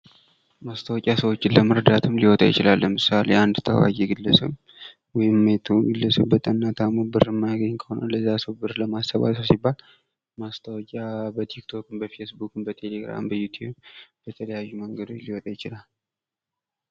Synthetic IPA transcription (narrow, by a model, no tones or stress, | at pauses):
mast̪ʰəwɔkʲʼasəwot͡ʃːɪləməɾəd̪at̪ʰɨmliwɔt̪ʼa̰jɪt͡ʃɪlalːəmɨsaleand̪t̪ʰə̰wa̰ɡeɡɨlːəsɨm | wɔjɪmːet̪ʰuɡɨlːəsɨbət̪ʼənːat̪ʰamubɨɾɨmːaɡəɲːkʰəhonələzːasəwbɨɾləmasːəβa̰səwsibːal | mast̪ʰəwɔkʼabət̪ʰikt̪ʰo̞kɨmbəfe̞sbukɨmbət̪ʰe̞le̞ɡɾa̰mbəjut̪ʰjubbət̪ʰələjajːuməŋɡəd̪o̞t͡ʃliwɔt̪ʼajɪt͡ʃɪlal